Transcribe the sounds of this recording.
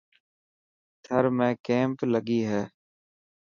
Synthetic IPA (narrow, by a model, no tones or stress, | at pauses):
t̪ʰəɾmẽːkẽːmpləɠiːɦɛː